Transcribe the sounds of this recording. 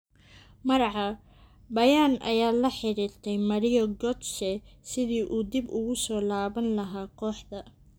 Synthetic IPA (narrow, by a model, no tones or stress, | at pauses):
mɐɾɑʕɑ | bɐjaːnʔɐ̰jaːlɐħɪɾiːɾt̪ʰɛjmɐɾɪjɔɡɔd̪ʃɛsɪðiːʔuːd̪ibʊɣʊsɔːlaːβɐnlɐɦaːkʰɔːħd̪ɐ